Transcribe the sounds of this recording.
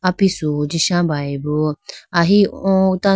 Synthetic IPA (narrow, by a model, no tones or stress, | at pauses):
apisud͡ʒiʃãbaibuaɦiɔ̃t̪a